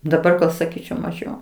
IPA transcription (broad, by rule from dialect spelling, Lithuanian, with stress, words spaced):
dɐˈbɐr ɡɐlˠ sɐˈkʲiːt͡ʃʲɛʊ mɐˈʒʲɛʊ